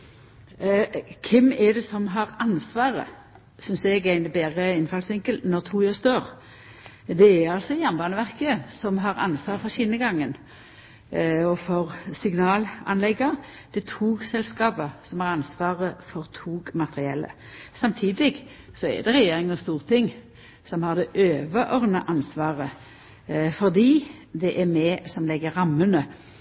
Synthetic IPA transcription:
kʰɪmɛd̪ɛsɔmɦɑʁɑnsʋɑːʁə̰ | sʏnsɛɡæɪnəbæːʁəɪnfɑlsʋɪŋkəlnɔʁt̪ʰuːjøːst̪øːʁ | d̪ɛæɾɑlsɔjæʁnbɑːnəʋæʁkəsɔmɦɑʁɑ̰nsʋɑːʁəfɔɕɪnːəɡɑŋːən | ɔfɔʁsɪɡnɑːlɑ̰nlɛɡːə | d̪̥ɛt̪ʰuːɡsɛlskɑːpəsɔmæʁɑnsʋɑːʁəfɔʁt̪ʰuːɡmɑt̪ʁɪɛlːə̰sɑmt̪ʰiːd̪ɪɡ | sɔɛ̰d̪ɛʁɛjeːʁɪŋnɔst̪uːʁt̪ʰɪŋ | sɔmhɑʁd̪ɛʔøːʋəʔɔʁnəʔɑnsʋɑːʁə | fɔʁd̪iːd̪ɛʔæmɛsɔmlɛɡːəʁɑmːənə

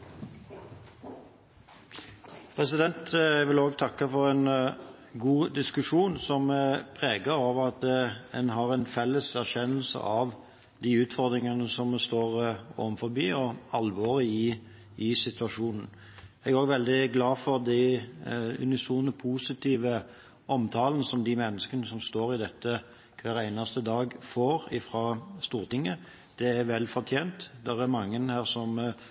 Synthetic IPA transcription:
pʰʁɛsɪd̪ɛnt̪ɛɡʋɪloːɡt̪ʰɑkːəfɔɾɛn | ɡuːd̪ɪskʉʂuːnsɔmpʰʁeːɡəɾoːʋəʁɑt̪ɛnɦɑʁɛnfɛlːəsæɾçɛnəl̩sə̰ʔɑʋ | d̪iːʉːt̪fɔʁd̪ɾɪŋənəsɔmst̪oːʁo̰ːʋənfɔɾbyːɔɑlʋɔːʁɪɪ | ɪsɪt̪ʉɑʂuːnn̩ | ɛɡæɾoːɡʋɛld̪ɪɡlɑːfɔɾd̪æ | ʉ̰nɪsuːnəpʰuːsɪt̪ʰiːʋə | ʔɔmt̪ʰɑːlənəsɔmd̪ɪmɛnːəskənəsɔmst̪oːɾɪd̪ɛt̪ʰːə | kʰʋæːɾæɪnɑst̪əd̪ɑːɡfoːɾɪfɾɑːst̪uːʁt̪ʰɪŋːə | d̪̥ɛæɾʋɛlfɔɾt̪ʰjeːnt̪d̪ɛʁæɾmɑŋːənhæːɾsɔm

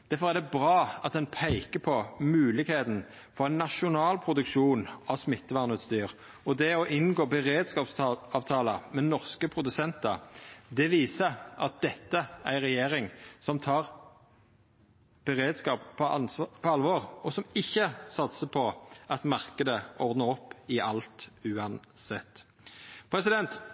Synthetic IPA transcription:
d̪̥æʁfɔʁæd̪ɛbʁɑːɑt̪̚d̪ɛnpʰæɪkəpʰɔmʉːlɪɡheːt̪n̩ | fɔʁæɪnːɑʃʊnɑːlpʰʁʊd̪ʉkʃuːnɑʋsmɪt̪ːəʋɑʁnʉːt̪st̪yːʁ | ɔd̪ɛɔʔɪnɡoːbəʁeːd̪skɑːpsɑːʋt̪ʰɑːləmɛnɔʁskəpʰʁʊd̪ʉsɛnt̪ə̰d̪ɛʋiːsəʔɑ̰t̪̚d̪̥ɛt̪ːəæɪʁɛjeːʁɪŋsɔmt̪ʰɑːʁ | b̥əʁeːd̪skɑːppʰɔpʰɔɑlʋɔʁɔsɔmɪçːəsɑt̪səpʰɔʔɑt̪mɑʁkəd̪əʔɔʁd̪nəʁɔpːɪʔɑlt̪ʉːɑnsɛt̪ː | pʰʁɛsɪd̪ɛnt̪

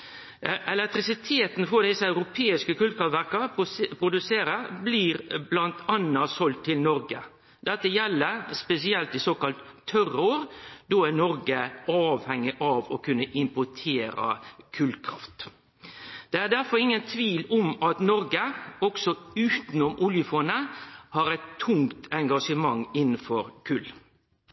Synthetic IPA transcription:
ʔɛlɛk̚t̪ɾɪsɪt̪ʰeːt̪nfɔd̪ɪsəɑʉɾʊpʰeːɪskəkʰʉːlkʰɾɑft̪ʋæɾkɑpʰɾʊd̪ʉseːɾəbliːɾblɑnt̪ɑnːɑsɔlt̪ʰːɪlnɔɾɡə̰ | d̪̥ɛt̪ːəjɛlːəɾspɛsɪɛlt̪ɪsoːkɑlt̪ʰːœrʊɾd̪̥ɔænɔɾɡəɑːʋhɛŋːɪʔɑʋɔkʰʉnːəʔɪmpʊʈʰeːɾɑ̰kʰʉlkʰɾɑ̰ft̪ | d̪̥ɛæɖæɾfɔɾɪŋːənt̪ʰʋiːlɔmɑt̪nɔɾɡəɔksɔʉːt̪nɔmʔʊljəfɔnəhɑɾɛt̪ʰːʊŋt̪ʰɛŋɡɑʂəmɑŋɪnən̩fɔɾkʰʉlː

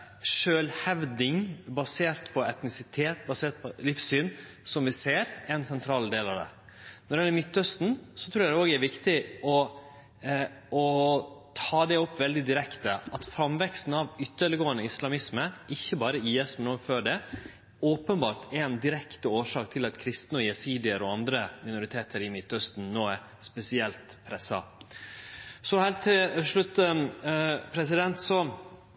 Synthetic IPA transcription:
ʂøːlhɛʋd̪ɪŋbɑseːɾt̪pʰɔɛt̪nɪsɪt̪ʰeːt̪̚bɑseːɾʈ̪̚pʰɔlɪfsyːn | sɔmʋɪseːɾɛɛnsɛnt̪ʰɾɑːld̪eːlɑʋd̪ɛ̰ | nɔɾɖɛɪɛlːəɾmʏt̪ːœst̪n̩sɔt̪ʰɾuːɾjæd̪ɛoːɡæɾʋɪkt̪ɪɔ | ɔt̪ʰɑːd̪ɛɔpːʋɛld̪ɪd̪ɪɾɛkt̪əʔɑt̪fɾɑmʋɛkst̪n̩ɑʋʏt̪ːəɭɡoːənəɪslɑmɪsməʔɪçːəbɑːɾəiːɛsmɛnoːɡføːɖɛ | oːpənbɑːɾt̪ʰɛnd̪ɪɾɛkt̪əoːʂɑːk̚t̪ʰɪlɑt̪kʰɾɪst̪nəɔjɛsiːd̪ɪəɾɔɑnd̪ɾəmɪnʊɾɪt̪ʰeːt̪ʰəɾɪmɪt̪ːœst̪n̩noːɛ | spɛsɪɛlt̪pʰɾɛsːɑ | sɔhɛlt̪ʰɪʂɭʉt̪ːə | pʰɾɛs̬ɪd̪ɛnt̪sɔ

